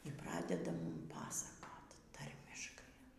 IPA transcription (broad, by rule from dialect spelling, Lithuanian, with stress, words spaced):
iː ˈprɑːdʲɛdɐ ˈmʊm ˈpɑːsɐkoːt ˈtɐrʲmʲɪʃkɐɪ